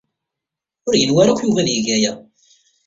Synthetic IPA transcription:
ʊɾjənwæɾækʷːjuvænjəʝæjæ

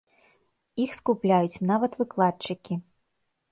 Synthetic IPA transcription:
ixskuplʲajut͡sʲnavɐt̪vɨklˠat̚t͡ʂɨkʲi

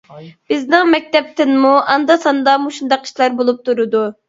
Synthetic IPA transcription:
b̥ɪznɪŋmɛk̚ʲt̪ɛp̚t̪ʰɪnmuʔɑnd̪ɑsɑnd̪ɑmuʃund̪ɑqi̥ʃlˠɑɾbolˠup̚t̪ʰuɾɨd̪u

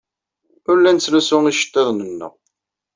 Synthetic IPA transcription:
ʊɾlænt͡sːlusʊŋiʃə̥t̪ːɪðˤnənːə̰ʁ

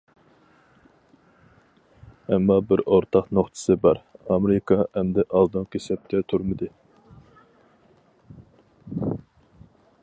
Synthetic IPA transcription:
ɛmːɑbɪɾoɾt̪ʰɑqnoχt̪ʰɨ̥sɨbɑɾɑmeɾɪkʰɑɛmd̪ɛʔɑlˠd̪ɨŋkʲʰesɛp̚t̪ʲʰɛt̪ʰuɾmɨd̪ɨ

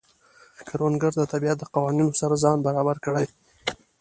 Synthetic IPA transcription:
kaɾwanɡaɾd̪ət̪abiat̪̚d̪əqawɑninosaɾazɑnbaɾɑbaɾkəɽaj

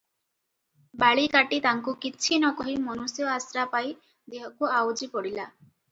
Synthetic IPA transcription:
baɭikaʈit̪aŋkukit͡ʃʰinɔkɔɦimɔnusjɔasɾapaj | d̪eɦɔkuawd͡ʒipɔɽila

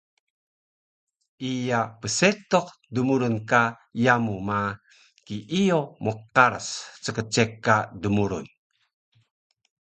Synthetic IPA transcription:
ʔijapəset̪ɔq̚ | dəmuɾunka | jamuma | kiʔijomuqaɾə̰st͡səkət͡ʃekːadəmuɾṵn

